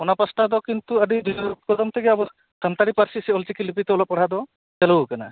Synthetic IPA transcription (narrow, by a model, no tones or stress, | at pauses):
ɔnapasʈad̪ɔkint̪uəɖid̪ubt̪̚kɔd̪ɔmt̪ʰɛɡɛabɔ | sant̪aɽipaɾsisiɔlt͡ʃikilipit̪ɛɔlɔp̚ɔɽ̤ad̪ɔ | t͡ʃɛluwkana̰